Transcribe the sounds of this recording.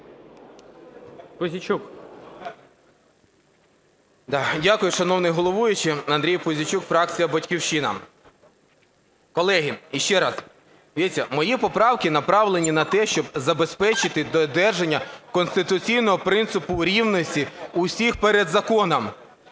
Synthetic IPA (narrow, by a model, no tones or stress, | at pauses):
pʊzʲit͡ʃuk | d̪ɑdʲakʊjʊʃɐnɔwnɪjɦɔlˠɔʋujʊt͡ʃɪɐnd̪ɾʲijpʊzʲit͡ʃukfɾɑk̚t͡sʲijɐbɐtʲkʲiwʃinɐ̰ | kɔlˠɛɦiiʃt͡ʃɛɾɑz̥ | ʋʲiit͡sʲːɐmɔjipɔpɾɑwkɪnɐpɾɑʋlˠenʲinɐt̪ɛʃt͡ʃɔbzɐbe̞spɛt͡ʃɪt̪ɪd̪ɔd̪ɛrʒenʲːɐkɔnst̪ɪt̪ʊt͡sʲijnɔɦɔpɾɪnt̪sɪpʊɾʲiwnɔsʲtʲiusʲixpeɾed̪zɐkɔnɐm